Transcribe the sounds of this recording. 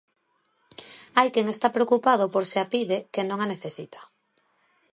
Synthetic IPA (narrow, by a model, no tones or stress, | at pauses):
ajkɛŋest̪apɾeokupað̞opoɾseapiðekenõŋaneθesit̪ʰḁ